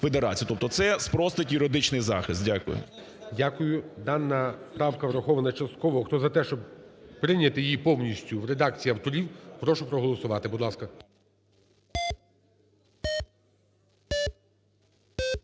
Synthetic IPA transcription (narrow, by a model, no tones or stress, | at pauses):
fed̪eɾɑ̰t͡sʲijt̪ɔp̚t̪ɔt̪sɛspɾɔst̪ɐtʲjʊɾed̪ɪt͡ʃnɪjzɑ̰xɪst̪̚dʲakʊ̰jʊ̰ | dʲakʊjʊd̪ɑnːɐpɾɑwkɐʋɾɐxɔʋɐnɐt͡ʃɐst̪̚kɔʋɔxt̪ɔzɐt̪ɛʃt͡ʃɔbpɾɪnʲɐt̪ɪjjipɔwnʲisʲtʲʊʋɾed̪ɑk̚t͡sʲijiɐwt̪ɔɾʲiwpɾɔʃʊpɾɔɦɔlˠɔsʊʋɑt̪ɪbʊd̪lˠɑskɐ